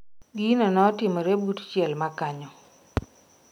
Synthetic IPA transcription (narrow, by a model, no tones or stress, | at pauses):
ɡinɔnɔɔtɪmɔɾɛbutt͡ʃjɛlmakaɲɔ